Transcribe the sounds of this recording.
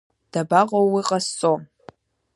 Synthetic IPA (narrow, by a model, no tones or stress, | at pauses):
d̥abaqʼowiqʼast͡sʼom